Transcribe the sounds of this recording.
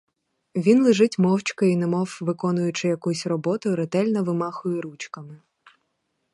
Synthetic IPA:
ʋʲinlˠɪʒɪtʲmɔwt͡ʃkɐinemɔwʋɪkɔnʊjʊt͡ʃɪjɐkusʲrɔbɔt̪ʊɾet̪ɛlʲnɐʋɪmɑxʊjɛɾut͡ʃkɐmɪ

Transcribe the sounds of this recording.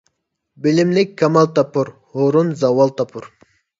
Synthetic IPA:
bɪlɪmlɪkʲʰːɑmɑlˠt̪ɑpuɾ | hoɾunzɑwɑlˠt̪ɑpʰuɾ

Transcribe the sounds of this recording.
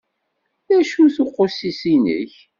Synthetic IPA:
ðæʃuθoqːosisinə̰ç

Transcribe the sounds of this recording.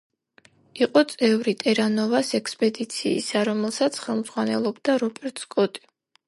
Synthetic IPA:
iqʼɔt̪sʼɛvɾit̪ʼɛɾanɔvasɛkspʼɛd̪it̪sʰḭːsaɾɔmɛlˠsat̪sʰχɛlˠmzʁwanɛ̰lˠɔbd̪aɾɔpʼɛɾt̪ʼskʼɔt̪ʼi̥

